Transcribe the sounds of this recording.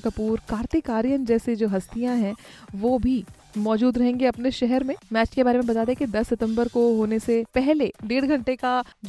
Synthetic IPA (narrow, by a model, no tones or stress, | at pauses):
kɐpuːɾkaːɾt̪ikaːɾijənd͡ʒɛːsed͡ʒoːɦɐst̪ijãɦɛ̃ʋoːbʱi | mɔːd͡ʒuːd̪ɾɐɦẽːŋɡeɐpneʃɛɦɛɾmẽmɛːt͡ʃkebaːɾemẽbɐt̪aːd̪eẽkid̪ɐsːɪt̪ə̃mbəɾkoɦoːnesepɛɦleɖeːɽɡʱɐ̃ɳʈekad͡ʒ